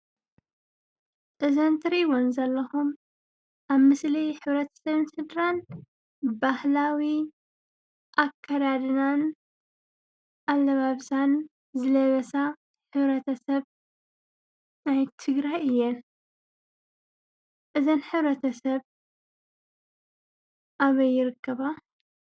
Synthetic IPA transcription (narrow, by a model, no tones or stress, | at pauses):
ʔɨzɐnt̪ʰɨɾiwonzɐlːɐxum | ʔaβmɨslijħɨβɾɐt̪ʰɐ̥sɐβɨnsɨd̪ɾan | bahlawi | ʔakʰːɐd̪ad̪ɨnan | ʔalːɐβaβsan | zɨlɐβɐsa | ħɨβɾɐt̪ʰɐsɐβ | najt̪ʰɨɡɾajʔɨjːɛn | ʔɨzɐnħɨβɾɐt̪ʰɐsɐβ | ʔaβɐjːɪɾɨkʰːɐβa